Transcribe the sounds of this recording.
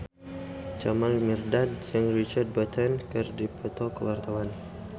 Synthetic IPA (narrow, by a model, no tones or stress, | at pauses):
t͡ʃamalmirdad̚sɛŋrit͡ʃard̪̚bat̪ʰɛnkɨrdipʰɔt̪okəwart̪awan